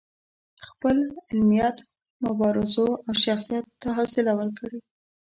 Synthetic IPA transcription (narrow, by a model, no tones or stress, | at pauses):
xpəlɪlmijat̪ | mʊbɑɾɪzoawʃaxsijat̪ːaɦɑsɪlɑwəlkəɽi